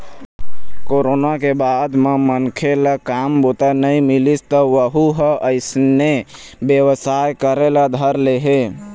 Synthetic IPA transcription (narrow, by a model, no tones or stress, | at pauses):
koɾonakebad̪memənkʰelakambot̪anəjmilist̪əʋəɦuɦəəɪsne | bjəʋəsajkəɾelad̪ʱəɾleɦe